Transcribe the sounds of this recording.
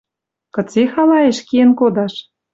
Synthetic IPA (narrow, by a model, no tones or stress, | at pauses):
kɤ̆t͡sexɑlɑeʃkiĕnkod̪ɑʃ